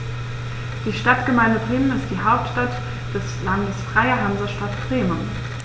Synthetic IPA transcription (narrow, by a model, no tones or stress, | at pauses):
d̥iːʃtatɡ̥əmaɪndəbʁɪːmənɪst̚d̥iːɦaʊp̚tʃtat | d̥ɛslandəsfʁ̥aɪɐɦanzɐʃtatɡ̥ʁeːmən